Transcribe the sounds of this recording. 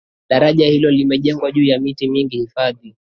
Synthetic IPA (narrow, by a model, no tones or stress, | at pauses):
ɗaɾaʄahilɔlimɛʄɛŋɡwaʄuːjamitimiŋɡihifaði